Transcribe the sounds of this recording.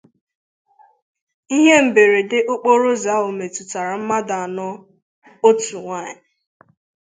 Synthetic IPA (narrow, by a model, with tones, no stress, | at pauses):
i˦ɦe˦m̩˨be˨ɾe˨dɪ˦ʔʊ˦k͡po˦ɾo˦za˨˦o˨me˨tʊ˨ta˨ɾa˨m̩˦ma˦da˨a˨nɔ˦ | o˦tu˨ŋʷa˦˨ɲɪ˨